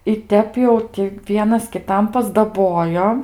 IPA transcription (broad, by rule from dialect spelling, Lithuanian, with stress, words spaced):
ɪ ˈtʲɛp jɛʊ ˈtʲɪ ˈʋʲiɛnɐs kʲɪˈtɐm pɐzdɐˈboːjoː